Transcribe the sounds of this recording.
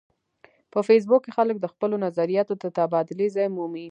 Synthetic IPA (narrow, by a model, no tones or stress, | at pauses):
pəfes̬bʊkːexalək̚d̪əxpəlonazaɾijɑt̪od̪ət̪abɑd̪ɪlezɑjmumi